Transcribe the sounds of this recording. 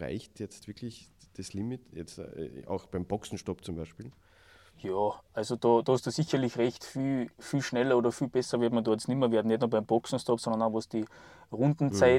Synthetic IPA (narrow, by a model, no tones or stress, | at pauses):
a̰ɪçtjɛt͡stvɪɐkʰlɪçd̥aslimɪtjɛt͡sta̰ʊxb̥aɪmb̥ɔksn̩ʃtɔpt͡sʊmbaɪʃpiːl | jɑːʔalsod̥ɑːd̥ɑhɑstd̥uːsiçɐlɪçʁɛçtfiːlfiːlʃnɛlɐoːdɐfiːlb̥ɛsɐvɪɐtmandɔɐsnɪmɐveːɐdn̩nɛtnuɐbaɪmb̥ɔksn̩ʃtɔpsɔnd̪ɐnaʊxvosd̥iː | ʁʊndn̩t͡saɪ